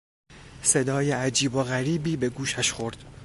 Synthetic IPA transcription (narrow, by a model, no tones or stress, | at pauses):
se̞d̪ɒːjeæd͡ʒiːboɣæɾiːbiːbe̞ɡuːʃæʃxo̞ɾd̪̥